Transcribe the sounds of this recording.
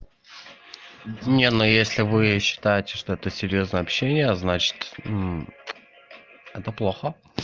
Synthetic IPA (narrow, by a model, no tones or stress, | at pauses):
nʲenojesʲlʲɪvɨɕːɪ̥t̪ajɪtʲɪ̥ʂt̪o̞ɛt̪əsʲɪɾʲjo̞znəjəɐpɕːenʲɪjəznat͡ɕɪ̥t̪̩ | ɛt̪əplˠoxə